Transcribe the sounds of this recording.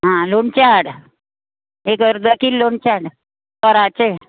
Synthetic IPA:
ɦãloɳt͡ɕaɽ | ekəɾd̪əkiːlːoɳt͡ɕaɽ | tɔɾat͡ɕe

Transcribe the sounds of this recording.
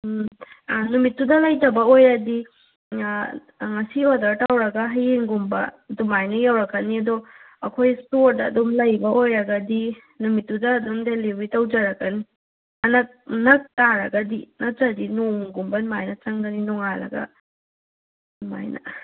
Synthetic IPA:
anumitːudɐlɐjtɐbɐojɐdi | ŋɐsiɔdɐɾtawɾɐɡɐɦɐjeŋɡumbɐ̰dumajnɐjawɾɐkːɐniɐdɔ | ɐkʰojstoɾdɐ̰ːdɔmlɐjbɐʔojɾɐɡɐdi | numitːudɐːdumdelewitɐwd͡ʒɐɾɐkːɐni | ɐnɐk̚nɐk̚taɾɐɡɐdinɐk̚d͡ʒɐdinoŋɡumbɐnmajnɐt͡ʃɐŋdɐninɔŋalɐ̰ɡɐ̰ | nma̰jnɐ̰

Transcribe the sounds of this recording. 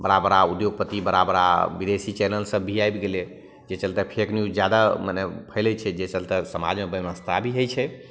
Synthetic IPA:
bəɾabɾaud̪joɡ̚pət̪ibəɾabɾa̰bid̪esit͡ʃɛnəlsə̃bʱiajbɡele | d͡ʒet͡ʃəlt̪ɛpʰeknjud͡ʒjad̪amanepʰəjlɛt͡ʃʰɛd͡ʒet͡ʃəlt̪ɛsəma̰d͡ʒmebəʋəst̪ʰabʱiɦəjt͡ʃʰɛ

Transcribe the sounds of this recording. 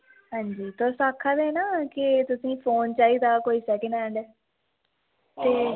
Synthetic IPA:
ɦãːɲd͡ʒiːt̪oːsaːkʰːad̪eːnaːkɪt̪ʊsĩːpʰoːnt͡ʃaːiːd̪aːkoːiːsɛːkənɛ̃ːɳɖɛː | t̪eː

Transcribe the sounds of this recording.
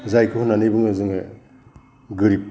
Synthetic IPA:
zajkʰɯhunːanɯjbɯŋɯzɯŋɯ | ɡɯɾip̚

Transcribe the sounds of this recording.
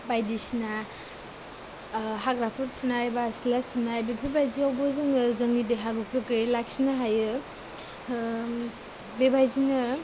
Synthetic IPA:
bajdisina | ɦaɡɾapʰɯɾ̚pʰunajbaslasimnajbepʰibajziawbɔzɯŋɯzɯŋnideɦaɡɯkʰɯkɯjlaksinaɦajɯ | bebajzinɯ

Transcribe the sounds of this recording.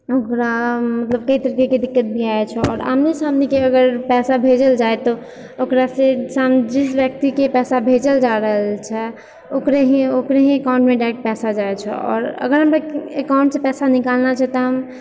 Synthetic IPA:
okɾamət̪ləb̚kəit̪əɾikeked̪ikːət̪̚bʱiaet͡ʃʰɛɔ̰ːɾa̰mnesamnekeəɡəɾpɛsabʱed͡ʒəld͡ʒaet̪ɔ | okɾasesamd͡ʒisbjək̚t̪ikepɛsabʱed͡ʒəld͡ʒaɾəɦəlt͡ʃʰɛ | okɾeɦiokɾeɦĩekaʊ̃ɳʈmeɖaʈ̚pɛsad͡ʒaet͡ʃʰɛɔ̰ːɾə̰ɡəɾɦəmpeekaʊ̃ɳʈsepɛsanikalnat͡ʃʰɛt̪ɔɦəm

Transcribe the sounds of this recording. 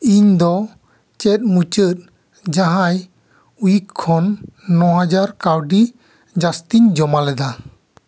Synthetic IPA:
iɲd̪ɔ | t͡ʃɛt̪̚mut͡ʃət̪̚ | d͡ʒaɦãj | ujikʰːɔnːɔɦad͡ʒaɾkawɖi | d͡ʒast̪iɲd͡ʒɔmalɛd̪a

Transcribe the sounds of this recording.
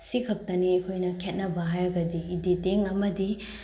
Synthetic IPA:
sikʰɐk̚tɐniekʰojnɐkʰet̚nɐbɐɦajɾɐɡɐdiːditeŋɐmɐdi

